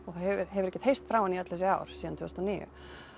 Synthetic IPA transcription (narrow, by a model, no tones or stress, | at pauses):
ɔɣθahɛvɪɾɦɛvʏɾɛcːɪt̪hejst̪fɾaːwaniœt̪lɛsɪa̰ːwɾ̥siːðant̪ʰʏst̪ɔniːjʏ̰